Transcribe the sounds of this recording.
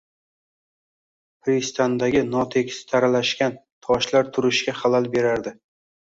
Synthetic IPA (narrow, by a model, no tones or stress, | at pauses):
pɾist̪ʰand̪aɡʲɪnɒt̪ʰekʲʰsɪ̥t̪ʰaɾalaʃkʲant̪ʰɒʃlaɾt̪ʰʊɾɪʃkʲaχalalbe̞ɾaɾd̪ɪ